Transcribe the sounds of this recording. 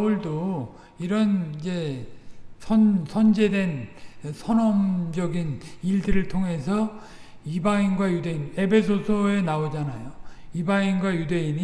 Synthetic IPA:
uɭdo | iɾʌnid͡ʑe̞ | sʰʌnsʰʌnd͡ʑe̞dwe̞nsʰʌnʌmd͡ʑʌɡiniɭdɯɾɯɭtʰoŋɦe̞sʰʌ | ibainɡwajude̞ine̞pʰe̞s̬ʰosʰoe̞naod͡ʑanajoibainɡwajude̞ini

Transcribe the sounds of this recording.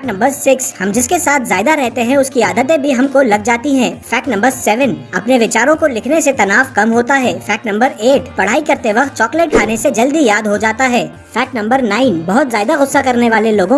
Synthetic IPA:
ʈnɐ̃mbəɾsɪkshɐmd͡ʒɪskesaːt̪ʰzaːjɪd̪aɾɛɦt̪eɦɛ̃ʊskiaːd̪ət̪̬ẽbʱiɦɐmkolɐɡ̚d͡ʒaːt̪iɦɛ̃fɛːʈnɐ̃mbəɾsɛːʋənɐpneʋɪt͡ʃaːɾõkolɪkʰneset̪ɐnaːfkɐmɦoːt̪aɦɛːfɛːʈnɐ̃mbəɾeːʈpɐɽ̤aːikɐɾt̪eʋɐxt̪̚t͡ʃɔːkleːʈ̚kʰaːnesed͡ʒɐld̪ijaːd̪ɦod͡ʒaːt̪aɦɛː | fɛːʈnɐ̃mbəɾnaːɪnbɐɦʊt̪zaːɪd̪aɣʊsːakɐɾneʋaːleloːɡõ

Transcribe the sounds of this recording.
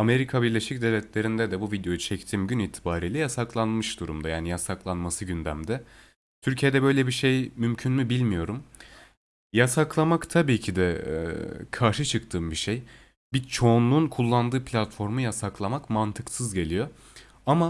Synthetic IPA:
ame̞ɾikʰabiɾlʲe̞ʃic̚d̪evlʲɛt̪ʰlʲe̞ɾind̪ɛd̪ɛbuvid̪ejo̞jut͡ʃʰɛct̪ʰiːmɟyniːt̪ʰibaːɾiːlʲɛjasaklˠanmɯʃd̪uɾṵmd̪ajaːnijasaklˠanmasɯɟynd̪æmd̪ɛ | t̪ʰyɾcʰijed̪ɛbø̞jlʲɛbiʃe̞jmymcʰynmybilʲmijo̞ɾum | jasaklˠamakt̪ʰabiːcʰid̪ɛ̰ | kʰaɾʃɯt͡ʃʰɯkt̪ʰɯːmbiʃej | bit͡ʃʰo̞ːnlˠunkʰulˠːand̪ɯːpʰlʲat̪fo̞ɾmujasaklˠamakmant̪ʰɯksɯzɟe̞lʲijo̞ | ama

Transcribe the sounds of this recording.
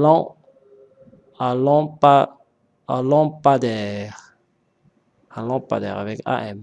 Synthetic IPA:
lɔ̃ | alɔ̃pa | alɔ̃pad̪ɛʁ | ãlɔ̃pa̰d̪ɛ̰ʁavɛka̰ʔɛm

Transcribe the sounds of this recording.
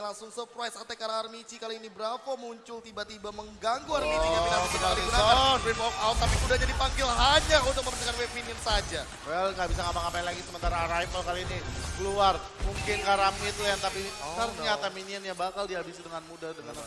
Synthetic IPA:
laŋsʊŋsəpɾajsat̪ɛkaɾaarmit͡ʃikaliinibəɾafamuɲt͡ʃʊlt̪ibat̪ibaməŋɡaŋɡuarminɲaasit̪adiɡunaadibɔk̚aot̪apimudahɲadipaŋɡɪlɦaɲaunt̪ʊk̚məmənəkanwɛminiənsad͡ʒa | wɛlŋɡabis̬aŋapaŋapailaɡisəmənt̪aɾaɾajpəlkaliːnikəluarmuŋkɪnkaɾamit̪lɛnt̪apitərɲat̪aminiənjabakaldiɦabisidəŋanmudad̪əŋan

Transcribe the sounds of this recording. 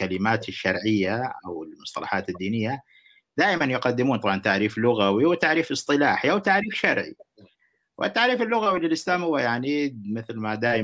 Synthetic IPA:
alɪmaːt̪ɪʃːɑ̰ɾˤʕɪjːaʔa̰wɪlmʊsˤt̪ˤɑ̰lɑ̰ħaːt̪ɪd̪ːiːnɪjːa | d̪̥aːʔɪmanjʊqad̪ːɪmuːnt̪ˤɑbʕɑnt̪aʕɾiːflʊɣawiwɪt̪aʕɾiːfɨsˤt̪ˤɨlaːħiʔawt̪aʕɾiːfʃɑɾˤʕḭ | wʔɪ̰t̪ːaʕɾiːfɪlːʊɣawilɪlʔɪslaːmhʊwːajaʕnimɪθlmad̪aːʔɪ

